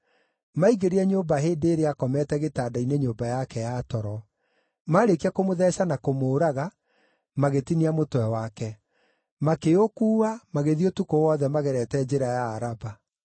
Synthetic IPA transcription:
maiɣeɾeɛɲoːbaɦeːndeːɾeakɔmɛtɛɣetaːdaineɲoːmbajakɛjatɔɾɔ | maɾekiakomoðɛɕanakomoːɾaɣa | maɣetiniamotwɛwakɛ | makeokuːamaɣeðiotukowɔðɛmaɣɛɾɛtɛd͡ʑeɾajaːɾaba

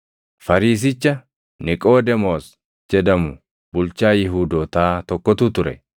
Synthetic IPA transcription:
fɐɾiːs̬ɪt͡ʃːɐ | nɪkʼoːd̪ɛmoːs | d͡ʒɛd̪ɐmʊ | bʊlt͡ʃaːjɪɦuːd̪oːt̪aːt̪ɔkːɔt̪ut̪ʊɾɛ̰

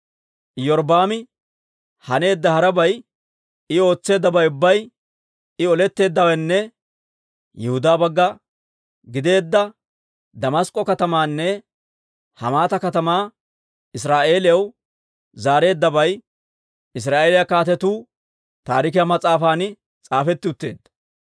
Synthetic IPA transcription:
jɔɾbaːmɪ | hɐne̞ːd̪ːɐhɐɾɐbɐj | ɪo̞ːt͡sːe̞ːd̪ːɐbɐjʊbːɐj | ɪɔlɛt̪ːe̞ːd̪ːɐwɛnːɛ | jɛhʊd̪aːbɐɡːɐ | ɡɪd̪e̞ːd̪ːɐ | d̪ɐmɐskʼːɔkɐt̪ɐmaːnːɛ | hɐ̰maːt̪ɐkɐt̪ɐmaː | ɪs̬ɾaːʔe̞ːlɪjɐw | zaːɾe̞ːd̪ːɐbɐj | ɪs̬ɾaːʔe̞ːlɪjɐkaːt̪ɛt̪uː | t̪a̰ːɾɪk̬ɪjamɐt͡sʼaːfaːnɪ | t͡sʼaːfɛt̪ːɪʊt̪ːe̞ːd̪ːɐ̥

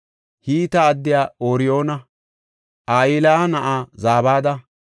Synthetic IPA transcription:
hiːt̪ɐːd̪ːɪjaːoːɾɪjo̞ːnɐ | ʔaːjiːlɐnɐʔaːzaːbaːd̪ɐ

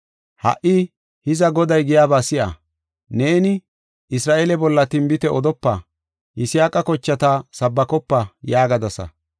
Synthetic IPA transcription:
hɐ̰ʔɪ | hɪzɐɡɔd̪ɐjɡɪjaːbaːsɪʔɐ̰ | ne̞ːnɪ | ʔɪsɾaːʔeːlɛbɔlːɐt̪ɪmbɪt̪ɛʔɔd̪ɔpːɐ | ʔɪsɪjaːkʼɐkɔt͡ʃːɐt̪asɐbːɐkɔpːɐjaːɡɐd̪ɐsɐ̰

